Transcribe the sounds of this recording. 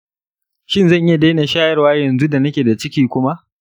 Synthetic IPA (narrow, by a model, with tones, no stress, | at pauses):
ʃɪ˦nzɐ˦˨ŋʔɪ˦ja˨de˦na˨ʃaː˦jɐ˦rwaː˦jɐ˨nzu˦da˨nɐ˦kʲeː˨da˨t͡ʃɪ˦kʲiː˦kʷʊ˦ma˦ʔ